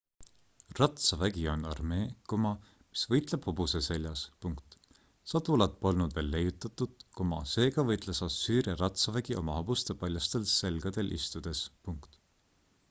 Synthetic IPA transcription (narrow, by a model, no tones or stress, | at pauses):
rɑt̪sɑvæɡio̞nɑrme̞ːkomɑ | mi̥svɤjt̪le̞b̥hobusese̞lʲjɑspuŋkt̪ˑ | sɑt̪ulɑt̪̚po̞lnud̪̥ve̞ːlːe̞jːut̪ːˑɑt̪ːˑud̪̥̚komɑse̞ːɡ̥ɑvɤjt̪lesɑsːyːɾiɑɾɑt̪sɑvæɡ̥io̞̰mɑhob̥ust̪e̞pɑlʲjɑst̪e̞lse̞lɡ̥ɑd̪̥e̞lʔist̪ud̪̥e̞spuŋkt̪